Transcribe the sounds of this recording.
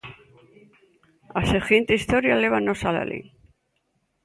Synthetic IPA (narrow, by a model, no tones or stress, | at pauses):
asexint̪eist̪oɾjaleβanosala̰lʔḭ